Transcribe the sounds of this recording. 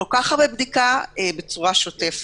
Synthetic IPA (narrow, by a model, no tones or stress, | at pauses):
okaχaʁbebd̪ikabet͡suʁaʃotef